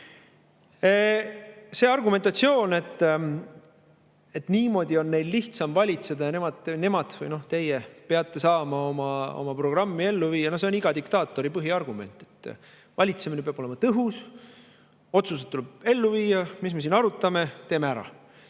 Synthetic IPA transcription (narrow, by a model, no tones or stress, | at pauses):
se̞ːɑrɡume̞nt̪ˑɑt̪sio̞ːne̞t̪ː | et̪niːmo̞ːd̪io̞nːe̞jlliht̪sɑmvɑlʲit̪se̞d̪̥ɑjɑne̞mɑd̪̥ne̞mɑd̪̥vɯ̰jno̞ht̪e̞jepeɑt̪ːe̞sɑːmɑo̞mɑo̰mɑpro̞ɡ̥rɑmːie̞lːuviːɑnos̬e̞o̞niɡ̥ɑd̪ikt̪ɑːt̪ːˑo̞ɾipɤɦiɑrɡ̥ume̞̰nt̪ːˑe̞t̪ː | vɑlʲit̪se̞minepeɑbolemɑt̪ɤɦus | o̞t̪sus̬ed̪t̪ːuleb̥e̞lːuviːjɑmis̬mesiːnɑɾut̪ːˑɑme̞t̪e̞ːmeæɾɑ̰